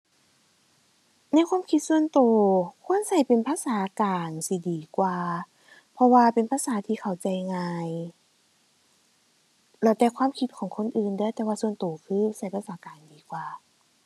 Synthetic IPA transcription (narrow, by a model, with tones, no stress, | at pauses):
na˧˥˨jkʰwaː˧˥˨mkʰi˧t̪̚su˧ənt̪oː˨˩kʰu˧˥˨ə˨nsa˧˩jpe˨npʰaː˧˥saː˨˦kaː˨˩nsi˧˦diː˨˩kwaː˧˩ | pʰɔ˧waː˧pe˨npʰaː˧˥˨saː˨˦t̪ʰiː˧kʰa˨˩wt͡ɕa˨˩jŋaː˧j | lɛ˧˩t̪ɛː˧kwaː˧˥˨mkʰi˧t̪̚kʰɔː˨˩˦ŋkʰo˧˥˨nʔɯː˨˩ndɯː˧˥˨jt̪ɛː˧waː˧su˧ənt̪oː˨˩kʰɯː˧˩˨sa˧˩jpʰa˧˩saː˨˦kaː˨˩ndiː˨˩˦kwaː˨˩